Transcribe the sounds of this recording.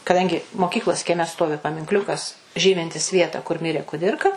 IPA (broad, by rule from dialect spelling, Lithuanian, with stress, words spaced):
kɐˈdɐŋʲɡʲɪ moːˈkʲiːklˠoːs kʲiɛˈmʲɛ ˈstoːʋʲɪ pɐmʲɪŋkˈlʲʊkɐs ˈʒʲiːmʲɪnʲtʲɪs ˈʋʲiɛtɑː kʊr ˈmʲɪrʲeː kʊˈdʲɪrkɐ